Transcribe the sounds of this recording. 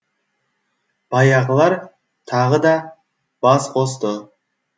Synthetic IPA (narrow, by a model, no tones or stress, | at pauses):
b̥ɑjɑʁəlˠɑɾ | t̪ʰɑʁəd̪ɑ | b̥ɑsqʰo̞st̪ə